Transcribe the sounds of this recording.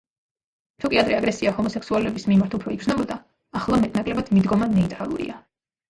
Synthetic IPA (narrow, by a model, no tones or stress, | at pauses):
t̪ʰukʼiad̪ɾɛaɡɾɛsiahɔmɔsɛksualulɛbismimaɾt̪ʰupʰɾɔiɡznɔbɔd̪aː | χlˠamɛt̪ʰnakʼlɛbad̪̥mid̪ɡɔmanɛit̪ʼɾalˠṵɾḭa